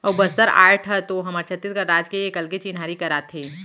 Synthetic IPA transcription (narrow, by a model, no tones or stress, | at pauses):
ɔːɾbɐst̪əɾa̰ːʈʰɐt̪oɦɐməɾt͡ʃʰɐt̪ːɪɾkəɾɾaːd͡ʒkeiekɐlɡet͡ʃinɦaːɾikɐɾaːt̪ʰeː